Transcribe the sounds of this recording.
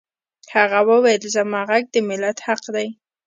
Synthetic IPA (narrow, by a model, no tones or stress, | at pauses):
haɣawəwajəlzamɑɣaɡ̚d̪əmɪlat̪haqd̪aj